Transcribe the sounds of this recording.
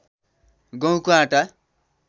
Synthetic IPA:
ɡʌ̃w̃koãʈa

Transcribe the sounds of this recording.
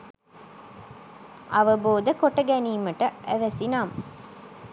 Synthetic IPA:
ɐʋəboːd̪ɐkoʈɐɡæniːmɐʈɐʔæʋɐsinaːm

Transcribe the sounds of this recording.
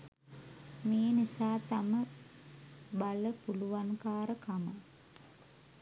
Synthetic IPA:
meːnisaːt̪amə | baləpuluʋankaːɾəkamə

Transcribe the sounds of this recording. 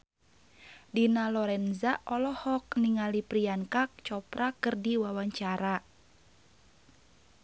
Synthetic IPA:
dinalɔɾɛnzaʔɔlɔhɔk̚niŋalipɾiankak̚t͡ʃɔpɾakɨrdiwawaɲt͡ʃaɾa

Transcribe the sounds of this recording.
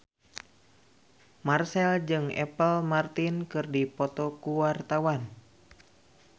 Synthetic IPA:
marsɛld͡ʒɨŋɛ̰pəlmart̪inkɨrdipɔt̪ɔkuwart̪awan

